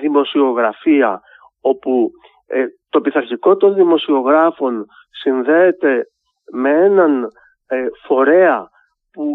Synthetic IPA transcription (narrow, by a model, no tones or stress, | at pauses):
ðimo̞sio̞ɣɾɐfiɐ | o̞pu | t̪o̞piθɐɾçiko̞t̪o̞nðimo̞sio̞ɣɾɐfo̞n | sinðe̞ːt̪e̞ | me̞e̞nɐn | fo̞ɾe̞ɐ | pu